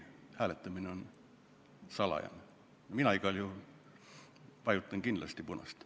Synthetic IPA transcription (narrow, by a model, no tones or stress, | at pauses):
hæːlet̪ːˑɑmineon | sɑlɑ̰jɑ̰n | jominɑiɡɑlju | pɑjut̪ːˑɑŋkind̥̪lɑst̪ipunɑ̰st̪